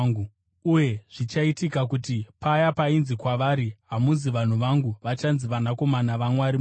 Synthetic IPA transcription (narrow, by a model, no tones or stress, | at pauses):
ɡu | uje̞ʐ̥it͡ʃaitikakutipajapainzikwaʋaɾiɦamuziʋan̤uʋaŋɡuʋat͡ʃanziʋanako̞manaʋamwaɾi